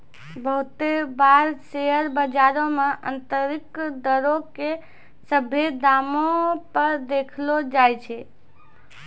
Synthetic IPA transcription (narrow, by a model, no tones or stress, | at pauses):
bəɦut̪ebaɾseəɾbəd͡ʒaɾõmeʔə̰nt̪əɾikd̪əɾoke | səbʱed̪amõpəɾd̪ekʰlod͡ʒajt͡ʃʰɛ